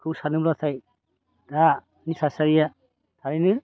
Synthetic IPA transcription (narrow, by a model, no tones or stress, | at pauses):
kʰɯwsanɯmɾɔt̪ʰaj | da | nisasaɾija | t̪ʰaɾinɯ